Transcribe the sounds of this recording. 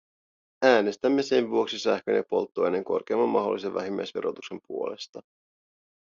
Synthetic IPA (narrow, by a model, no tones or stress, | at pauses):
æːne̞st̪æmːe̞se̞nʋuo̞ksisæhk̟ønepo̞̰lt̪ːoene̞ŋko̞̰rk̟eɑmːɑmmɑɦo̞lːiseʋːæ̰ɦimːæ̰jsʋe̞ɾo̞t̪ukse̞mpuo̞le̞st̪ɑ